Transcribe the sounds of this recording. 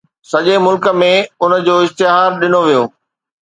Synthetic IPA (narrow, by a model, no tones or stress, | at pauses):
sɐʄemʊlkə̆mẽʊnə̆d͡ʑoːɪst̪ɪɦaːɾɗɪnoʋijoː